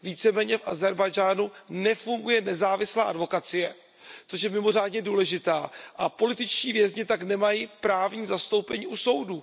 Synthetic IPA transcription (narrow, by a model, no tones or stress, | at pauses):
viːt͡sɛmɛːɲɛfʔazɛɾbajd͡ʒaːnunɛfuŋɡujɛnɛzaːvɪslaːʔadvo̞kat͡sɪjɛ | t͡soʃ̬jɛmɪmo̞r̝aːdɲɛduːlɛʒɪt̪aːʔapo̞lɪt̪ɪt͡ʃciːvjɛzɲɪt̪aknɛmajipɾaːvɲiːzast̪o̞wpɛɲiːʔuso̞wdu